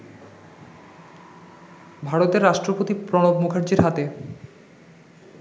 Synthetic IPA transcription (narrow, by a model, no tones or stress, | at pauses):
bʱaɾot̪eɾːaʃʈɾopot̪ipɾonobmukʰaɾd͡ʑiɾɦat̪e